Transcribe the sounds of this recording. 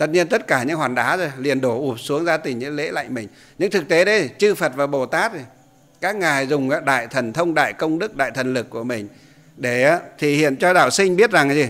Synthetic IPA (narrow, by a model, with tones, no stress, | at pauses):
t̪ə˧˨˩t̚ɲi˧ənt̪ə˦˥t̚kaː˧˩ɲɨ̰˧˥ŋhwaː˨˩nɗaː˨˦zo˨˩jli˨˩ənɗo˧˩ʔu˨˩p̚su˨˦əŋzaː˧t̪ï˨˩ŋ̟ɲɨ̰˧˥ŋlḛ˧˥la̰˧˨jŋmï˨˩ŋ̟ | ɲɨ̰˧˥ŋt̪ʰɨ˨˩k̚t̪e˨˦ɗə˨˦jt͡ɕɨ˧fə˨˩t̚vaː˨˩ɓo˨˩t̪aː˦˥t̚zi˨˩ | kaː˦˥k̚ŋaː˨˩jzʊ˨˩ŋ͡maː˨˦ɗa̰ː˧˨jt̪ʰə˨˩nt̪ʰə˧wŋ͡mɗa̰ː˧˨jkə˧wŋ͡mɗɨ˦˥k̚ɗa̰ː˧˨jt̪ʰə˨˩nlɨ˨˩kːu˧˩əmï˨˩ŋ̟ | ɗe˧˩aː˨˦t̪ʰi˨˩hḭ˧˨ənt͡ɕɔ˧ɗa̰ː˧˨wsï˧ŋ̟ɓi˦˥ət̚za˨˩ŋzi˨˩